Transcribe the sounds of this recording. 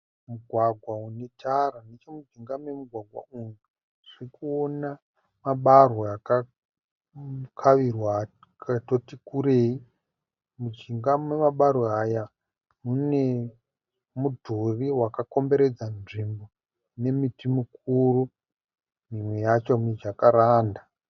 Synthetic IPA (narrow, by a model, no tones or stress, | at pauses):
muɡʱwaɡʱwaune̞tʰaɾanet͡ʃemud͡ʒiŋɡamwemuɡʱwaɡʱwa̰une | ʐ̥iikuona | maɓarwoaka | kʰaʋirwa | katotikuɾei | mud͡ʒiŋɡamwemaɓaɾoaja | mune̞ | mudʱuriwakako̞mbe̞ɾe̞d͡zanʐimbo | ne̞mitimuk̚uru | mimwejat͡ʃomid͡ʒakaɾaːnda